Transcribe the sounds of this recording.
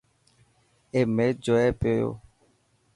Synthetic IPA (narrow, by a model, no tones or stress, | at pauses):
emed͡ʒɔɛpejo̰